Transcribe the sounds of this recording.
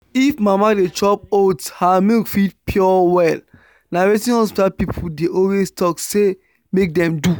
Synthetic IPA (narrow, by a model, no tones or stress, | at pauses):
ifmamadet͡ʃɔpodshamikfidpʰjɔwɛl | nawetĩnɔ̃stapipʰudeʔɔlwestʰɔkse | mek̚dɛ̃mdu